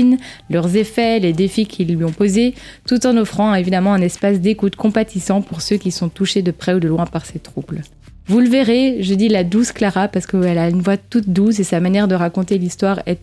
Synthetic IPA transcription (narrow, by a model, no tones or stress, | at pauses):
nlœʁzefɛled̪efikʲʰilːɥiɔ̃pozet̪ut̪ɑ̃nɔfχɑ̃ɛevid̪amɑ̃ɛ̃nɛspasd̪ekut̪kɔ̃pat̪isɑ̃puʁsøkʲisɔ̃t̪uʃed̪əpχɛud̪əlwɛ̃paʁset̪χubl | vuləveʁeʒəd̪ilad̪usklaʁapaʁsə̥kəɛlaynvwat̪ut̪̚d̪us̬esamanjɛʁd̪əʁakɔ̃t̪elist̪waʁɛ